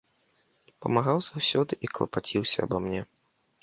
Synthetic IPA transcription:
pɐ̰maɣawzawsʲɔd̪ɨʔiklˠɐ̰pat͡sʲiwsʲɐɐ̰bamnʲɛ

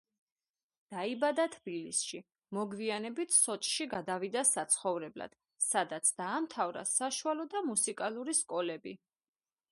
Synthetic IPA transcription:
d̪̥aibad̪at̪ʰbilisʃi | mɔɡvianɛbit̪ʰsɔt͡ʃʼʃiɡad̪avid̪asat̪sʰχɔvɾɛbla̰d̪̥ | sad̪at̪sʰd̪̥aːmt̪ʰavɾa̰saʃualɔd̪amusikʼalˠuɾiskʼɔlɛbi

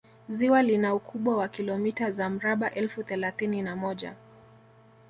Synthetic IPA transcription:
ziwalinaukʰuɓwawakilɔmitazam̩ɾaɓaʔɛlfuθɛlaθininamɔʄa̰

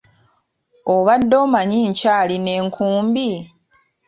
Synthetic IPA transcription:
oβadːo̞ːmaɲiːɲcaːline̞ːŋkʰuːmbi

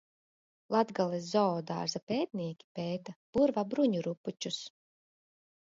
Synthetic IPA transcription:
lˠad̪ɡalˠɛzzɔɔd̪a̰ːɾzapɛːt̪̚nʲiɛkʲi̥pɛːt̪ab̥uɾvabɾuɲuɾupːut͡ʃus

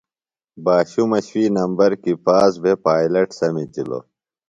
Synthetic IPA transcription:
baːɕumɐɕfiːnɐmbɐɾkipaːzbʱepaːilɐʈsɐmid͡ʑilo̰

